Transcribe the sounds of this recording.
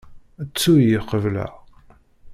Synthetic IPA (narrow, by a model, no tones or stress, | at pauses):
ət͡sːujiqəvlæ̰